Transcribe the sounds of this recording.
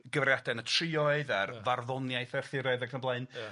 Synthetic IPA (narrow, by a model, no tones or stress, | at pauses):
ɡ̥əvrjadɛnətʰrɪɔɨðarvarðɔnjajθɛrθɪɾaɨðakʰənblˠaɨn